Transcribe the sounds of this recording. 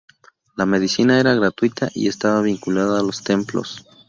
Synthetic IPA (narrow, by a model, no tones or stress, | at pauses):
lame̞ðisinae̞ɾaɣɾat̪wit̪ʰaʔḭe̞st̪aβaβiŋkulaðaːlo̞st̪e̞mplo̞̰s